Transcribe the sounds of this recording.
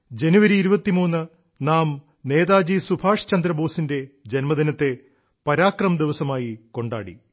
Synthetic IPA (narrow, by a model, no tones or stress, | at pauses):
d͡ʑenuʋɐɾiːɾubɐt̪ːimuːnːɨ | naːm | ne̞ːd̪aːd͡ʑisubʱaːʂt͡ɕɐnd̪ɾɐbo̞ːsinde̞d͡ʑenmɐd̪inɐt̪ːe̞ | pɐɾaːkrɐmd̪iʋɐsɐmaːjiko̞ɳɖaːɽḭ